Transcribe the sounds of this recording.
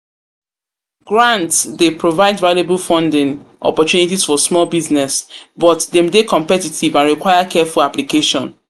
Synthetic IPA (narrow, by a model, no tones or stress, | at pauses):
ɡɹãntdepɹovaɪdvalebulfɔ̃ndɪ̃ŋ | ɔ̰pɔtunitisfɔsmɔlbiznɛsbɔtdɛ̃mdekɔ̃mpɛtitivãnɹikwaɪakʰɛfulaplikeʃɔ̰̃n